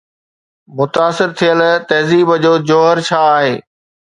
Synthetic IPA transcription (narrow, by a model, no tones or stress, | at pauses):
mʊt̪aːsɪɾt̪ʰijəlt̪ɐɦziːbəd͡ʑoːd͡ʑoːɦəɾt͡ɕʰaːɦeː